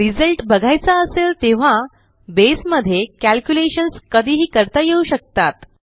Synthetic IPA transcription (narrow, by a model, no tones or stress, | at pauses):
ɾid͡zəlʈbəɡʱajt͡saəselt̪eʋ̤a | besməd̪ʱːjekælkjuleɕənskəd̪ʱiːɦiːkəɾt̪ajeuɕək̚t̪at̪